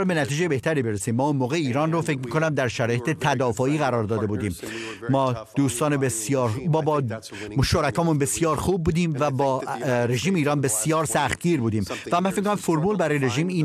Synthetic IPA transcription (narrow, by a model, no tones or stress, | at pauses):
ɾbe̞næt̪iːd͡ʒejebe̞ht̪æɾiːbe̞ɾesiːmːɒːunmoːɣejeiːɾɒːnrofe̞cmiːkʰonæmd̪æɾʃæɾɒːje̞t̪et̪ʰæd̪ɒːfɒːiːɣæɾɒːɾd̪ɒːd̪e̞buːd̪iːmː | ɒːd̪̥uːst̪ɒːnebesjɒːɾbːbɒ | ʃoɾækɒːmunbe̞sijɒːɾxuːb̚ːuːd̪iːmvæbɒːɾe̞ʒiːmeiːɾɒːnbe̞sjɒːɾsæxt̪̚ɟiːɾbuːd̪iːmvæmænfemikonæmfoɾmuːlbæɾɒːjeɾe̞ʒiːmiːn